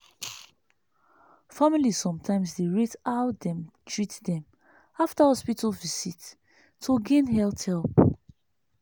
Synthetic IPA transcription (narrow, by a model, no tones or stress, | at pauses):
familiz̥sɔ̃mtʰãɪ̃msdeɹitawdɛ̃mtʰɹitdɛ̃m | aftahɔspitəlvisitʰː | oɡẽnɦɛlθhɛlˠp